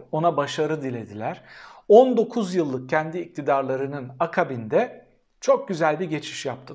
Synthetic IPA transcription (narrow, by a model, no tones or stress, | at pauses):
o̞nabaʃaɾɯd̪ilʲe̞d̪ilʲæɾ̥o̞nd̪o̞kʰuzjɯlˠːɯk̚cʰɛnd̪iːc̚t̪ʰid̪aɾlˠaɾɯnɯnakʰabind̪ɛ | t͡ʃʰo̞k̚ɟyzælʲbiɟe̞t͡ʃʰi̥ʃjap̚t̪ʰɯ